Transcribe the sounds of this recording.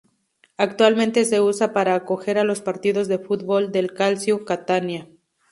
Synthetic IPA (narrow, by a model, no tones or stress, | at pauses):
akt̪walmẽ̞nt̪e̞se̞usapaɾaːkoxe̞ɾalo̞spaɾt̪iðo̞zðe̞fut̪̚bo̞ld̪e̞lkalsjokat̪anja